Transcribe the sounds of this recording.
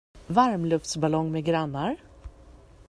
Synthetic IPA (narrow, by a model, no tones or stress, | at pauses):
vaɾmlɵft̪sbalɔŋːmɛɡɾanːaɾ